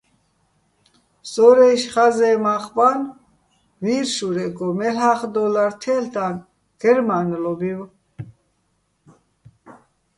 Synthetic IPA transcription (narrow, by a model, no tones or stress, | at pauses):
sɔɾɛʃχazɛːmaχban | viːɾʃuɾɛɡɔmɛlaχd̪ɔlaɾt̪ʰɛlt̪ʰan | ɡ̥ɛɾmanlɔbiw